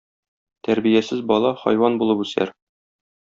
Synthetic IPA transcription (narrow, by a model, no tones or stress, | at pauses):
t̪æɾbijæsɘzbɒlˠɑχɒ̰jwɑnbulˠɤpʉsæ̰ɾ